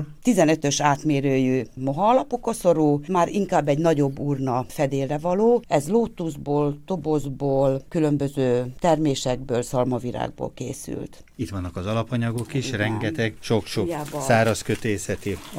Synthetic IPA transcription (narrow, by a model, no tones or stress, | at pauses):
t̪izɛnø̞t̪ø̞ʃaːt̪meːɾøːjøːmoɦɒːlɒpokɒsoɾuːmaːɾiŋkaːbːɛɟnɒɟo̞bːuːrnɒfɛd̪eːrɛvɒloːɛzloːt̪ːuzboːlt̪o̞bozboːlkylø̞mbøzøːt̪ɛrmeːʃɛɡ̚bøːlsɒlmɒviɾa̰ːɡ̚bo̰ːlkḛːsy̰lt̪ | it̪ʋɒnːɒkɒzɒlɒpɒɲɒɡokiʃrɛŋɡɡɛt̪ɛɡʃokʃojaːvsaːɾɒskøt̪eːsɛt̪i